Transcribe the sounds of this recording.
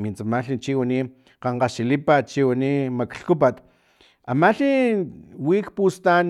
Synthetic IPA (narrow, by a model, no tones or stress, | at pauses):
mint͡samaɬit͡ʃiwani | qaɴqaʃilipat͡ʃiwanimakɬkup̬at̪ | amaɬi | wikpust̪an